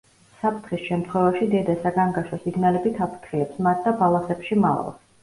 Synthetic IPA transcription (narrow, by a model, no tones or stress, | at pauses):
sapʰt̪ʰχisʃɛmt̪ʰχwɛvaʃid̪ɛd̪asaɡaŋɡaʃɔsiɡnalɛbit̪ʰapʰt̪ʰχiɛpsmat̪̚ʰd̪abalˠasɛpʃima̰la̰lˠs